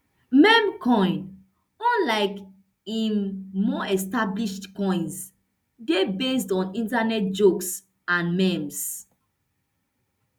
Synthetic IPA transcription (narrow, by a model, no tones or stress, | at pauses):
mɛ̃mkʰɔ̃ɪ̃n | ɔ̃nlaɪk | ĩmmɔɛstabliʃtkɔ̃ɪ̃ns | debestɔ̃nĩntanɛt̚d͡ʒoks | ãnmɛ̃ms